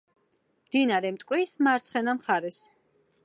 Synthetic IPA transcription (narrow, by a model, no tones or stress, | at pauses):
md̪̥inaɾɛmt̪ʼkʼwɾismaɾt̪sʰχɛnamχaɾɛs